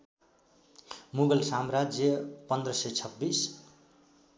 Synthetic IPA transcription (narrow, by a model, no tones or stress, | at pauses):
muɡʌlsamrad͡zjʌpʌnd̪rʌsʌjt͡sʰʌbːis